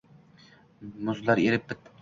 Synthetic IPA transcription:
mʊzlˠaɾeɾɪp̚bɪt̪ʰː

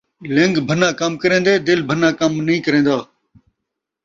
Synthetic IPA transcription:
lɪŋɡbʱənãːkəmkəɾẽːnd̪eːd̪ɪlbʱənãːkəmnəĩːkəɾẽːnd̪aː

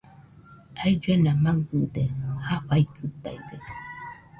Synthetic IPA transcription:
ajd͡ʒuenamaŋɡɯd̪ehaɸajkɯt̪a̰jd̪e

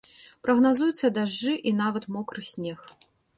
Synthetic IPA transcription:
pɾɐɣnazujut̪sːɐd̪aʐːɨʔinavɐt̪mɔkɾɨsʲnʲɛx

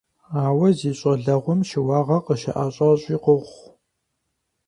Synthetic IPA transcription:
aːwɐziːɕʼɐɮɐʁʷʊmʃɪwɑːʁɐqəʃɐ̰ʔaːɕʼɑɕʼiːqəʁʷ

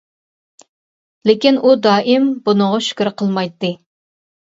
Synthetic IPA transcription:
lekʲinʔud̪ɑːʔimbunəʁɑʃy̥kʲiɾqʰəlˠmɑjt̪ːɨ

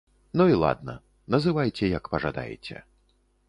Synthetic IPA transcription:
nuilˠa̰d̪̚nɐ̰ | nɐzɨvajt͡sʲɛjɐkpɐʐad̪a̰jɛ̰t͡sʲɛ̰

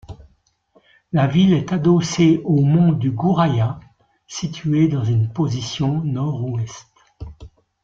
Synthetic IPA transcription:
lavilɛt̪ad̪ɔseomɔ̃d̪yɡuʁaja | sit̪ʰyed̪ɑ̃zynpozisjɔ̃nɔʁuɛst̪

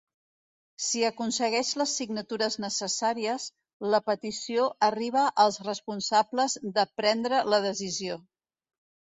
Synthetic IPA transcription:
siəkunsəɣɛʃləsːiɡnət̪uɾəznəsəsaɾiəz | ləpət̪isioʔəriβ̞əʔəlˠzrəspunsabləzðəpɾɛnd̪ɾələðəzizio

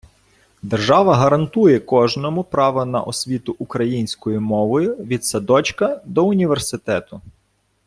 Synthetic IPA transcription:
d̪erʒɑʋɐɦɐɾɐnt̪ujɛkɔʒnɔmʊpɾɑʋɐnɐ̰ʔɔsʲʋʲit̪ʊʔʊkɾɐjinʲsʲkɔjʊmɔʋɔjʊʋʲid̪sɐd̪ɔt͡ʃkɐd̪ɔʊnʲiʋersɪt̪ɛt̪ʊ

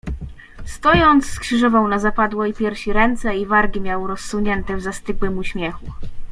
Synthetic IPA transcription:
st̪ɔjɔnt̪sːkʂɘʐɔvɔ̃wnazapad̪wɔipʲjɛɾfɕiɾɛnt̪sɛivaɾɡʲimʲjawɾɔsːuɲɛnt̪ɛvzast̪ɘɡwɘmuɕmʲjɛxu

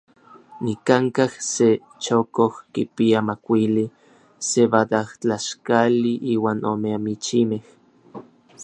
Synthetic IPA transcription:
nikaŋkahse | t͡ʃokohkipiamakʷili | seβad̪aht͡ɬaʃkaliʔiːwaːnomeamit͡ʃimeh

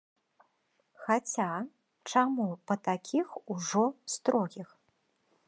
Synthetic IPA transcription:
xat͡sʲa | t͡ʂamupɐt̪akʲʰixuʐɔst̪ɾɔɣʲix

